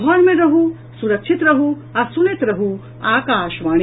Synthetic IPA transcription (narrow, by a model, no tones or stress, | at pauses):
ɔːɾmẽɾɐɦu | suɾɐkʃʰit̪ɾɐɦu | asunit̪ɾɐɦu | aːkaːʃʋaːɽ